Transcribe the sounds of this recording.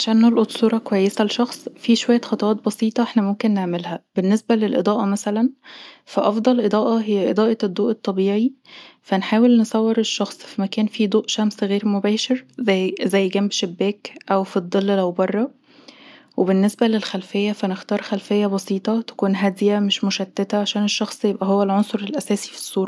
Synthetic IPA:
ʕaʃæːnːolʔot̪ˤsuːɾˤɑkwæjːesælʃɑxsˤfiʃowæjːæxɑt̪ˤɑwɑːt̪̚bɑsiːt̪ˤɑʔeħnæmomkenːeʕmelhæbenːesbælelʔḛd̪ˤɑːʔɑmæsælænfæʔɑfd̪ˤɑlʔed̪ˤɑːʔɑɦejːæʔed̪ˤɑːʔɑed̪ˤːoːʔet̪ˤːɑbiːʕi | fænħaːwelnesˤɑwːeɾeʃːɑxsˤfimækæːnfiːd̪ˤoːʔʃæmsɣeːɾmobæːʃeɾzæzæjːɡæmbʃebːæːkʔæwfid̪ˤːelːlæwbɑrˤːɑ | wʔebenːesbælelxælfejːæfænext̪ɑːɾˤxælfejːæbɑsiːt̪ˤɑt̪æ̥kuːnɦæːd̪ijæmeʃmoʃæt̪ːet̪æʕaʃæːneʃːɑxsˤjebʔæɦowːælʕonsˤoɾelʔæsæːsi̥fi̥sˤːuːɾˤɑ

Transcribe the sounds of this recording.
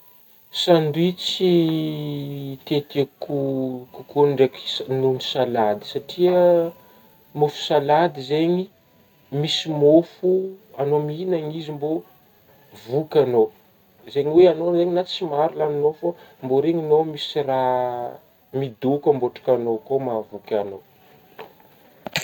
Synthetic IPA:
saɳɖ͡ʐit͡si | t̪et̪iakukukuɳɖ͡ʐeksnunisalad̪i̥saʈ͡ʂiə | mofu̥salad̪izeɲi | misimofuanominaŋizimbo | vukʲano | zeɲiweanozeɲinat͡simaɾulaninofamboɾeɲinomisira | mid̪ukəmboʈ͡ʂḁkanokomavukʲano

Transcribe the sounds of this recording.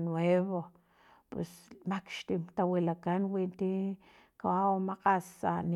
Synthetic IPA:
nweβo | pwḛsmakʃt̪imt̪awilakanwint̪i | kawaomaqasa̰n

